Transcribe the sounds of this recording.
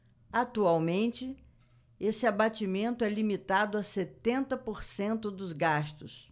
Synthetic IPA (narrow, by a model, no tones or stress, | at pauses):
at̪uawmẽnt͡ʃɪ | esɪabat͡ʃimẽnt̪ʊɛlimit̪ad̪ʊaset̪ẽnt̪ɐpoɾsẽnt̪ʊd̪ʊzɡast̪ʊs